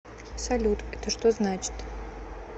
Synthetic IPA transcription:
sɐlʲut̪ʰʼɛt̪ʰəʂt̪oznat͡ʃʰɪ̥t̪

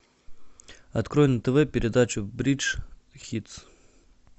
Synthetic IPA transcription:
ɐt̪kɾo̞jɪnt̪əvɛpʲɪɾʲɪd̪at͡ɕʊbɾʲit͡ʂxʲit̪s

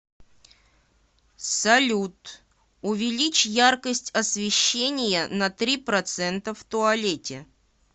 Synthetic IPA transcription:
sɐlʲut̪ | ʊvʲɪlʲit͡ɕjarkəsʲtʲɐsvʲɪɕːenʲɪjənɐt̪ɾʲipɾɐt̪sɛnt̪əft̪ʊɐlʲetʲɪ

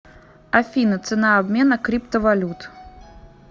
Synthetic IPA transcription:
afʲinɨt̪sɨnaːbmʲɛnɐkɾʲipt̪ɐvalʲut̪

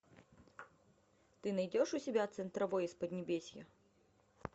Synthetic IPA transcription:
t̪ɨnɐjdʲɔʂusʲɪbʲat̪sɛnt̪ɾɐvɔjɛspɐd̪ʲnʲɪbʲesʲjɐ̰

